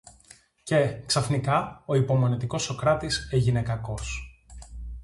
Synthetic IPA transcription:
ce̞ksɐθnikɐo̞ipo̞mo̞net̪iko̞so̞kɾɐt̪iseʝine̞kɐko̞s

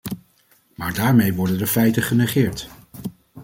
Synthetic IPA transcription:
maːɹdaːɹmejʋɔɹdəndəfɛjtəχənɛχɪːɹt

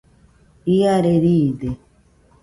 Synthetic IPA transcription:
iaɾeɾiːd̪e

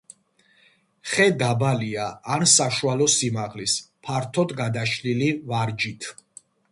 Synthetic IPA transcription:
χɛd̪abaliaːnsaʃualɔsimaʁlispʰaɾt̪ʰɔd̪ɡad̪aʃlilivaɾd͡ʒit̪ʰ

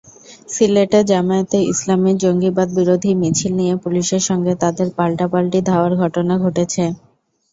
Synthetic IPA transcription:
sileʈed͡ʑamaet̪eḭslamiɾd͡ʑoŋɡibad̪̚biɾod̪ʱimit͡ɕʰilnijepuliʃeɾʃɔŋɡet̪ad̪eɾpalʈapalʈid̪ʱaoaɾɡʱɔʈonaɡʱoʈet͡ɕʰe

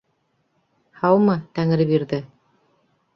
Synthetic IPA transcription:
hɑwmɤt̪æŋɘ̆ɾɘpiɾðɘ

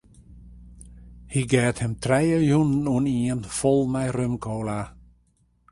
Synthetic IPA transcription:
hiɡɛːthɛmtʰrɛjəjunən̩uniənfɔlˠmɛjrømkʰoːla

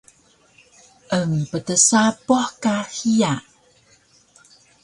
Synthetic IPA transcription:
ʔəŋpətəsapɔħkahija

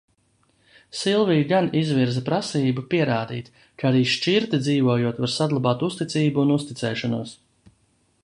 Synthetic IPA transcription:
silˠviːɡanizviɾzapɾasiːbupiɛɾaːd̪ḭːt̪ | kaaɾiːʃt͡ʃiɾt̪id̪ziːvuɔjuɔt̪vaɾsad̪lˠabaːt̪ust̪it̪siːbuːnust̪it̪sɛːʃanuɔs

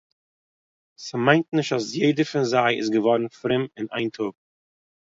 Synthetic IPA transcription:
sɪmaɪ̃ntnɪʃtasjeɪdəɾfɪnzaɪɪ̰sɡəvɔɾn̩fɾɪmɪna̰ɪntʰuk̚

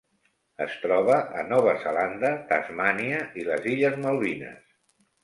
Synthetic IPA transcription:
əst̪ɾɔβ̞əʔənɔβ̞əzəland̪ət̪a̰zmaniəiləziʎəzməlˠβinə̰s

